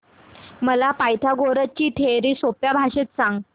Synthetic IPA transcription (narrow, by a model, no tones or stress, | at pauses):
məlapajt̪ʰaɡoɾət͡ɕiːʈ̪ʰeɾiːsopjabʱaʂet̪sãŋɡ